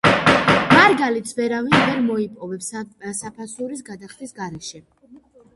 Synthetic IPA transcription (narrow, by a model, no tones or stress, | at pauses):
maɾɡalit̪sʰvɛɾavinvɛɾmɔipʼɔvɛpssapʰasuɾisɡad̪aχt̪ʰʼisɡaɾɛʃɛ